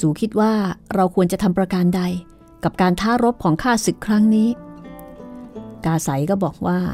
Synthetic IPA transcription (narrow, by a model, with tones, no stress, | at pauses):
suː˩˦kʰi˦˥t̪̚waː˥˩ɾa˧wkʰu˧ənt͡ɕa˨˩t̪ʰa˧mpɾa˧ka˧nda˧j | ka˨˩p̚kaː˧nt̪ʰaː˦˥ɾo˦˥p̚kʰɔː˩˦ŋkʰaː˥˩sɯ˨˩kʰːɾa˦˥ŋniː˦˥ | kaː˧sa˩˦jkɔː˥˩bɔː˨˩k̚waː˥˩